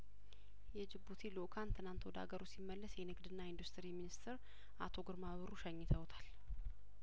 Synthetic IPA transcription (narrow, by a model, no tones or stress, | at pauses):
jɛd͡ʒɨbːut̪ʰilokʰant̪ʰɨnant̪wɔd̪a̰ɡəɾusimːəlːəsjɛnɨɡd̪ɨnːaind̪ust̪ʰɨɾiminist̪ʰɨɾ | ʔat̪ʰo̞ɡɨɾmaβɨɾuʃəɲːɪt̪ʰəwt̪ʰal